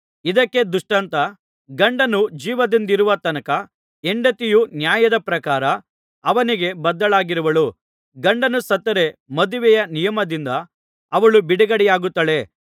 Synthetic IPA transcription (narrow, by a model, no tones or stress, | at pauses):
id̪ɐkːe̞d̪uʂʈɐnt̪ɐ | ɡɐɳɖɐnud͡ʒiːʋɐd̪ind̪iɾuʋɐt̪ɐnɐkɐ | eɳɖɐt̪ijunjaːjɐd̪ɐpɾɐkaːɾɐː | ʋɐniɡe̞bɐd̪ːɐɭaːɡiɾuʋɐɭu | ɡɐɳɖɐnusɐt̪ːɐɾe̞mɐd̪uʋɛjɐnijɐmɐd̪ind̪ɐː | ʋɐɭubiɽɛɡɐɽɛjaːɡut̪ːɐle̞